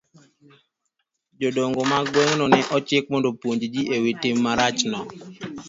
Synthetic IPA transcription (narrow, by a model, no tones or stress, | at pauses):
d͡ʒodoŋɡomaɡwoŋnɔnɛʔɔt͡ʃɪk̚mondopwoɲd͡ʒd͡ʒiʔewitɪmːaɾat͡ʃnɔ